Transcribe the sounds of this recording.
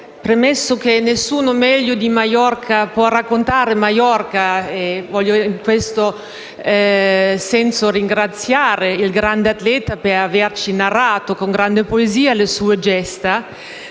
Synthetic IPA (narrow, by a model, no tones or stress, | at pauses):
pɾemɛsːok̟enesːuːnomɛʎːod̪imajɔrkʰapwɔrakːont̪aːɾemajɔrkaevɔʎːjoiŋkwest̪o | sɛnsoriŋɡɾat̪sːjaːɾeilɡɾand̪eat̪lɛːt̪apeɾavert͡ʃinaraːt̪okoŋɡɾand̪epoeziːalesuːed͡ʒɛst̪a